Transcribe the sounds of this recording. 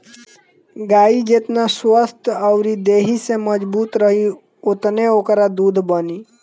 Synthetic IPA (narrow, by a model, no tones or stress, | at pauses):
ɡaːid͡ʒet̪naswəst̪ʰəʊɾid̪eːɦiseməd͡ʒbuːt̪ɾəɦi | ʊt̪neokəɾad̪uːd̪ʱbəniː